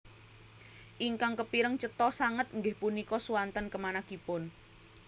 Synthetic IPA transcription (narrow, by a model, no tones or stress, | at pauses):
ʔiŋkaŋkəpiɾəŋt͡ʃət̪ɔsaŋət̪̚ŋɡɪhpunikɔsuwant̪ənkəmanakipʊn